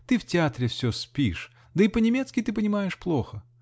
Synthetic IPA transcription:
t̪ɨftʲɪat̪ɾʲɪfsʲɵspʲiʂ | d̪əipənʲɪmʲet̪skʲɪt̪ɨpənʲɪmajɪʂplˠoxə

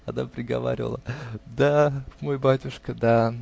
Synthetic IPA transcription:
ɐnapɾʲɪɡɐ̰va̰ɾʲɪvə̰lˠəd̪amojbatʲʊʂkəd̪a

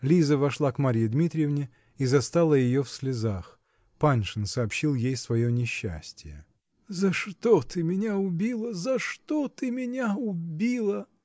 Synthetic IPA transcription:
lʲizəvɐʂlˠakmaɾʲijɪd̪mʲit̪ɾʲɪjɪvnʲɪ | izɐst̪alˠəjɪjofsʲlʲɪzax | panʲʂɨnsɐːpɕːilˠjejsvɐjonʲɪɕːæ̰sʲtʲɪjə̰ | zɐʂt̪ot̪ɨmʲɪnʲaʊbʲilˠəzɐʂt̪ot̪ɨmʲɪnʲaʊbʲilˠə

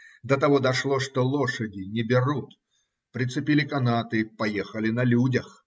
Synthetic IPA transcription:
d̪ət̪ɐvod̪ɐʂlˠoʂt̪olˠoʂədʲɪnʲɪbʲɪrut̪ | pɾʲɪt̪sɨpʲilʲɪkɐnat̪ɨpɐjexəlʲɪnɐlʲudʲəx

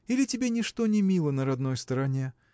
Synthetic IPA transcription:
ilʲɪtʲɪbʲenʲɪʂt̪o̞nʲɪmʲilˠənəɾɐd̪no̞jst̪əɾɐnʲe̞

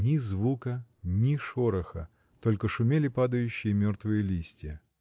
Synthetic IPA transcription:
nʲɪzvukənʲɪʂoɾəxə̰ | t̪o̞lʲkəʂʊmʲelʲɪpad̪əjʉɕːɪjəmʲort̪vɨjəlʲisʲtʲɪjə

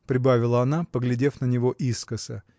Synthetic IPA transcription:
pɾʲɪbavʲɪlˠəɐnapəɡlʲɪdʲe̞fnənʲɪvoʔiskəsə

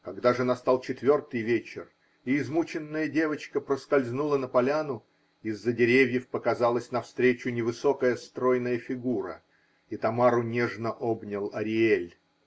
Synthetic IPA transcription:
kɐɡd̪aʐɨnɐst̪alˠt͡ɕɪt̪vʲo̞rt̪ɨjvʲet͡ɕɪr | iɪzmut͡ɕɪnːəjədʲe̞vət͡ɕkəpɾəskɐlʲzʲnulˠənəpɐlʲanʊ | ɪzːədʲɪɾʲevʲjɪfpəkɐzalˠəsʲnɐfst̪ɾʲet͡ɕʊnʲɪvɨso̞kəjəst̪ɾo̞jnəjəfʲɪɡuɾə̰ | it̪ɐmaɾʊnʲe̞ʐnəʔobnʲɪlˠɐɾʲɪelʲ

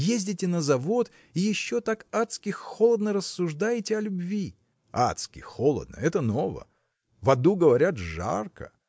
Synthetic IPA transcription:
jezʲdʲɪtʲɪnəzɐvo̞t̪ | ijɪɕːo̞t̪akat̪skʲɪxxolˠəd̪nəɾəsːʊʐd̪ajɪtʲɪɐlʲʊbvʲi | a̰t̪skʲɪ̰xolˠə̰d̪̚nə̰ɛt̪əno̞və̰ | vɐd̪uɡəvɐɾʲat̪ʐa̰rkə̰

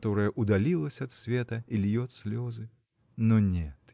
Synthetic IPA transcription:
t̪ɔɾɐjɐʔud̪alʲilˠɐsʲɐɐt̪sʲvʲɛt̪ɐilʲjɔt̪sʲlʲɔzɨ | nɔnʲɛt̪

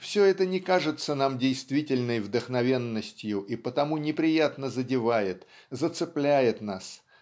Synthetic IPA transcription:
fsʲɵɛt̪ənʲɪkaʐɨt̪sənamdʲejst̪vʲitʲɪlʲnəjvd̪əxnɐvʲe̞nːəsʲtʲjʊʔipət̪ɐmunʲɪpɾʲɪjat̪nəzədʲɪvajɪt̪ | zət̪sɨplʲæjɪt̪nas

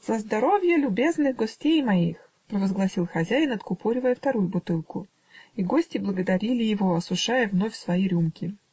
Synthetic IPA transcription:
z̥əzd̪ɐɾo̞vʲjəlʲʊbʲe̞znɨɣɡosʲtʲejmɐix | pɾəvəzɡlˠɐsʲilˠxɐzʲæjɪnɐt̪kʊpoɾʲɪvəjəft̪ɐɾujʊbʊt̪ɨlˠkʊ | iɡo̞sʲtʲɪblˠəɡəd̪ɐɾʲilʲɪjɪvoɐsʊʂajəvno̞fʲsvɐiɾʲumkʲɪ

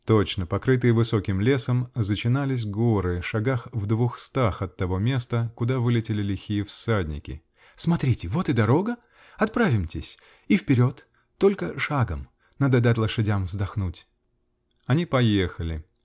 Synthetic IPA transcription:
t̪ot͡ɕnəpɐkɾɨt̪ɨjəvɨso̞kʲɪmlʲe̞səmzət͡ɕɪnalʲɪs̬ʲɡo̞ɾɨʂɐɡaxvd̪vuxst̪axɐt̪ːɐvo̞mʲe̞st̪əkʊd̪avɨlʲɪtʲɪlʲɪlʲɪxʲijɪfsadʲnʲɪkʲɪ̰ | smɐt̪ɾʲitʲɪvo̞t̪ɨd̪ɐɾo̞ɡə | ɐt̪̚pɾavʲɪmtʲɪsʲ | ifpʲɪɾʲo̞t̪ː | o̞lʲkəʂaɡəm | nad̪ɐd̪at̪ʲlˠəʂɨdʲamvzd̪ɐxnutʲ | ɐnʲipɐjexəlʲɪ

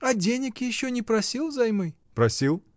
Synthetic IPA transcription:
ɐdʲenʲɪkjɪɕːɔnʲɪpɾɐsʲilˠzɐjmɨj | pɾɐsʲilˠ

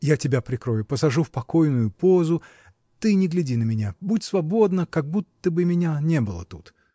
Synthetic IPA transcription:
jatʲɪbʲapɾʲɪkɾo̞jʊpəsɐʐufpɐkojnʊjʊpozʊ | t̪ɨnʲɪɡlʲɪdʲinəmʲɪnʲabutʲsvɐbo̞d̪nəkɐɡ̚but̪ːəbɨmʲɪnʲanʲebɨlˠə̰t̪ut̪

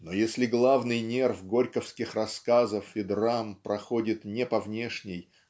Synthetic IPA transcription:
nojesʲlʲɪɡlˠavnɨjnʲe̞rfɡo̞ɾʲkəfskʲɪxrɐskazəfɪd̪rampɾɐxo̞dʲɪt̪nʲepɐvnʲe̞ʂnʲɪj

